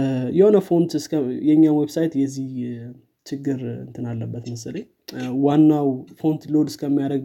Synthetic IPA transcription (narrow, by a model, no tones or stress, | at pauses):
jɛho̞nəfont̪ɨskʰəjɛɲːawwebsajt̪jɛzːih | t͡ʃʰɪɡːɨɾɨ̰nt̪ʰɨnalːəbːət̪məsɨləɲ | wanːawfont̪lod̪ɨskʰəmːijaɾəɡ